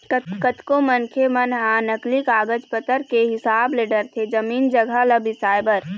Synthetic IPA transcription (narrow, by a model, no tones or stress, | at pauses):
kəkət̪kõmənkʰemənɦãnəklikaːɡəd͡ʒpət̪əɾkeɦɪsaːbleːɖəɾt̪ʰed͡ʒəmiːnd͡ʒəɡʱaləbisaːɪbəɾ